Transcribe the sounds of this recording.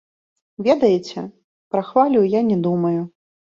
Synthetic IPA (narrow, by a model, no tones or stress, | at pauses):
vʲɛd̪ɐjɛt͡sʲɛ | pɾɐxvalʲuwjanʲɛd̪umɐju